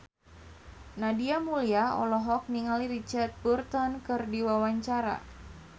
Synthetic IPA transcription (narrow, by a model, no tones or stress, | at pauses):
nadiamuliaɔ̰lɔɦɔk̚niŋaliɾit͡ʃart̪̚burt̪ɔnkɨrdiwawaɲt͡ʃaɾa̰